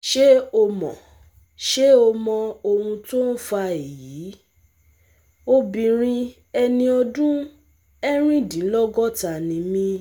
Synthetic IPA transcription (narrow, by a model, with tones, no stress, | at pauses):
ʃe˦o˧mɔ̰̃˨ | ʃe˦o˧mɔ̃˧o˧hũ˧to˦n̩˦fa˧e˨ji˨˦ | o˦bĩ˧ɾ̃ĩ˧ | ɛ˧nĩ˧ɔ˧dũ˦ | ɛ˦ɾ̃ĩ˦˨dĩ˨˦lɔ˦ɡɔ˦ta˧˨nĩ˨˦mĩ˦